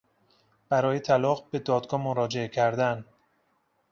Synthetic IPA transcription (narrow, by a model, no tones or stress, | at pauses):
b̥æɾɒːjet̪ʰælɒːɣbe̞d̪ɒːd̪ɡɒːmoɾɒːd͡ʒe̞ecʰæɾd̪æn